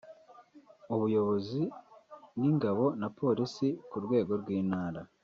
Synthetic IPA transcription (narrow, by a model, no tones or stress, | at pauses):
uβujo̞βo̞zi | niŋɡaβo̞napʰo̞ːɾisikuɾɡwe̞ːɡo̞ɾɡwiːnaːɾa